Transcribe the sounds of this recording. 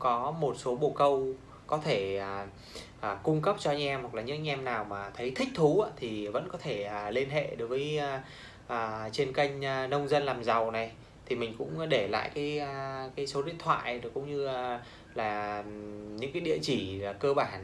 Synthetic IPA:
kɔ˨˦mo˨˩t̚so˨˦ɓo˨˩kə˧w | kɔ˨˦t̪ʰe˧˩ə˨˩ | ʔːkʊ˧ŋ͡mkə˦˥p̚t͡ɕɔ˧a˧jŋ̟ʔɛ˧mhwklaː˨˩ɲɨ̰˧˥ʔa˧ŋʔɛ˧mnaː˨˩wmaː˨˩t̪ʰə˨˦jt̪ʰï˦˥k̟̚t̪ʰu˨˦aː˧˥t̪ʰi˨˩və̰˧˥nkɔ˨˦t̪ʰe˧˩əː˨˩le˧nɦḛ˧˨ɗo˨˦jvəː˨˦j | ʔəː˨˩t͡ɕe˧nkə˧jŋ̟ː˨˩nə˧wŋ͡mzə˧nlaː˨˩mza˨˩wna˨˩j | t̪ʰi˨˩mï˨˩ŋ̟kʊ̰˧˥ŋ͡mɗe˧˩la̰ː˧˨jkaː˨˦jkaː˨˦jso˨˦ɗḭ˧˨ənt̪ʰwa̰ː˧˨jʔɗkʊ̰˧˥ŋ͡mɲɨ˧˨ | laː˨˩ | ɲɨ̰˧˥ŋkaː˨˦jɗḭ˧˨ət͡ɕi˧˩˨kəː˧ɓaː˧˩n

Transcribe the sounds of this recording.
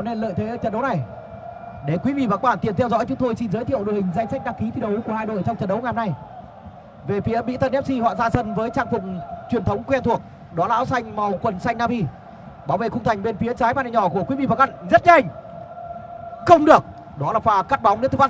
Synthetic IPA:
ɔ˦ne˧nlə̰ː˧˨jt̪ʰe˨˦əː˧˩t͡ɕə˧˩nɗə˨˦wna˨˩j | ɗe˨˩kwi˨˦vḭ˧˨vaː˨˩kɔ˦˥˩ɓaː˧˩nt̪i˨˩ənt̪ʰɛ˧wzɔ̰˧˥jt͡ɕʊ˨˦ŋ͡mt̪o˧jsi˧nzəː˨˦jt̪ʰḭ˧˨əwɗo˨˩hŋ̟za˧jŋsa˦˥k̚ɗaː˧˥ŋki˨˦t̪ʰi˧ɗə˨˦wku˧˩əhaː˧jɗo̰˧˨jt͡ɕɔ˧ŋ͡mt͡ɕə̰˨˩nɗə˨˦wŋ͡mŋaː˨˩mna˨˧˩j | ve˨˩fi˨˦əɓḭ˧˥t̪ʰə˧nʔɛ˦˥p̚si˧hɔ̰˧˨zaː˧sə˧nvəː˨˦jt͡ɕaː˧ŋfʊ˨˩ŋ͡m̚t͡ɕwi˨˩ənt̪ʰə˨˦wŋ͡mkwɛ˧nt̪ʰu˨˩ək̚ | ɗɔ˨˦la̰ː˧˥wsa˧jŋ̟ma˨˩wkwə˨˩nsa˧jŋ̟naː˧vi˧ | ɓaː˨˦wvḛ˧˨˩xʊ˧ŋ͡mt̪ʰa˨˩ŋ̟ɓe˧nfi˨˦ət͡ɕaː˨˦jmaː˧˩na˨˩ɲɔ˧˩ku˧˩əki˨˦vḭ˧˩vaː˨˩kɓa˧˩nzə˦˥t̚ɲa˧ŋ̟ | xə˧wŋ͡mɗɨ˨˩ək̚ | ɗɔ˨˦laː˨˩faː˧˩kaː˦˥t̚ɓa˨˦ŋ͡mnɨ̰˧˥t̪ʰːf

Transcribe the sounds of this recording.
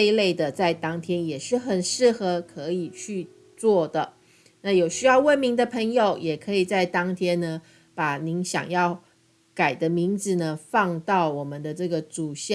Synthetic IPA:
e˥˧le˥˩ɪd̪ə˨t͡sa˥˩ɪt̪ɑ˥ŋt̪ʰjɛ˥njɛ˨˩ʂɻ̩˥˩xə˨˩nʂɻ̩˥˩xɤ˧˥kʰɤ˧˥i˨˩t͡ɕʰy˥˧ | t͡swɔ˥˩d̪ə˩ | na˥˩jo˨˩ʊɕy˥jɑ˥˧ʊwə˥˩nmi˧˥ŋd̪ə˧pʰə˧˥ŋjo˨˦ʊjɛ˨˩kʰɤ˧˥i˨˩t͡sa˥˩ɪt̪ɑ˥ŋt̪ʰjɛ˥nnə˨ | pa˨˩ni˧˥ŋɕjɑ̰˨˩ŋjɑ˥˩ʊ | ka˨˩ɪd̪ə˦mi˧˥ŋd͡zɹ̩˨nə˩fɑ˥˧ŋt̪ɑ˥˩ʊwɔ˨˩mə˨˦nd̪ə˦ʈ͡ʂɤ˥˩ɡə˩t͡su˨˩ɕə˥˧

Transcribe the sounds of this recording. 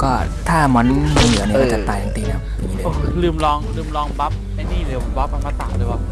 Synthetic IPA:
kɔː˥˩t̪ʰaː˥˩mɔ˦˥nmu˧˦nɯ˨˦ɐni˧˥kɔː˥˩t͡ɕa˨t̪aː˨˩ja˨˦nt̪iː˧na˦˥˩iː˦˧ʔoː˧˩lɯː˧˩mlɔː˧˥ŋlɯː˧˥˩mlɔː˦˥ŋba˦˥p̚ma˥˩jniː˥˩lɯ˧˩ba˦˥p̚ka˧maː˧t̪a̰ː˨˩lɤː˧jwa˦˥p̚

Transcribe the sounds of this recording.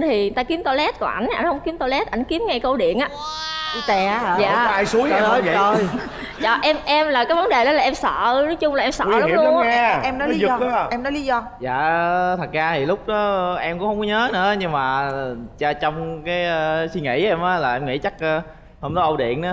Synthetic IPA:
nt̪ʰi˨˩˨t̪aː˧ki˨˦əmt̪o˧lɛ˦˥t̚kɔ˧˨˩ʔa˧˩jŋ̟ʔa˧jŋ̟hə˧wŋ͡mki˨˦əmt̪o˧lɛ˦˥t̚ʔa˧˩jŋ̟ki˨˦əmŋa˧jkə˧wɗḭ˧˨ənʔaː˨˦i˧t̪ɛ˨˩za̰ː˨˧˨aː˧jsu˨˦əja˧˩ɔ̰ː˨˦˨o˧j | t͡ɕɔ˨˩ʔɛ˧mʔɛ˧mlaː˨˩kaː˨˦jvə˨˦nɗe˨˩ɗɔ˨˦laː˨˩ʔɛ˧msə̰ː˧˨nɔ˨˦jt͡ɕʊ˧ŋ͡mlaː˨˩ʔɛ˧msə̰˧˨˧ŋḭ˧˨˦ɔ˨˦ŋa˧ʔɛ˧mnɔ˨˦li˨˦˨zɔ˧˨˦ʔɛ˧mnɔ˨˦jli˨˦zɔ˧ | za̰ː˧˨t̪ʰə˨˩t̚zaː˧t̪ʰi˨˩lʊ˦˥k͡p̚nɔ˨˦ʔɛ˧mkʊ̰˧˥ŋ͡mhʰə˧wŋ͡mkɔ˨˦ɲəː˨˦nɨ̰˧˥ɲɨ˧ŋmaː˨˩˨t͡ɕaː˧t͡ɕɔ˧wŋ͡mkaː˨˦jsi˧ŋḭ˧˥ʔɛ˧mʔaː˨˦laː˨˩ʔɛ˧mŋḭ˧˥t͡ɕa˦˥k̚ː | hə˧wŋ͡mzɔ˨˦ʔə˧wɗḭ˧˨ən˨˦

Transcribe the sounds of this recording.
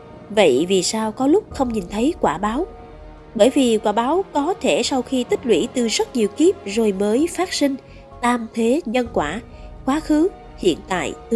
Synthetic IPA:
və̰˧˨jvi˨˩saː˧wkɔ˨˦lʊ˦˥k͡p̚xə˧wŋ͡mɲi˨˩nt̪ʰə˨˦jkwaː˧˩ɓaː˨˦w | ɓəː˧˩jvi˨˩kwaː˧˩ɓaː˨˦wkɔ˨˦t̪ʰe˧˩sa˧wxi˧t̪ï˦˥k̟̚lwḭ˧˩t̪ɨ˨˩zə˦˥t̚ɲi˨˩əwki˦˥əp̚zo˨˩jməː˨˦jfaː˦˥t̚sï˧ŋ̟ | t̪aː˧mt̪ʰe˨˦ɲə˧nkwaː˧˩kwaː˨˦xɨ˨˦ | hḭ˧˨ənt̪a̰ː˧˨jt̪

